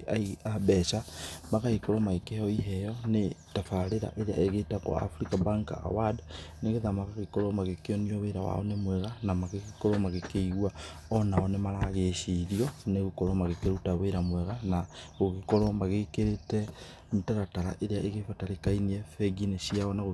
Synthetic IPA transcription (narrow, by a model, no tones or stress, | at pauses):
a̰iabɛʃamaɣahikɔɾɔmaɣekeɔiɦɛjɔnetafaɾeɾa̰ʔeɾea̰eɣetaɣo̰a̰fɾikabaŋka̰a̰wadneɣeðamaɣaɣekoɾɔmaɣekeɔnioweɾa̰wa̰ɔnemwɛɣanamaɣeɣikɔɾɔmaɣekeiɣwa | ɔnaɔnemaɾaɣeʃiɾiɔneɣukɔɾɔmaɣekeɾutaβeɾamwɛɣanaɣoɣekoɾɔmaɣekeɾetɛ | ntaɾataɾa̰ʔeɾeaʔeɣefataɾekainiefeɡinesiaonaɣo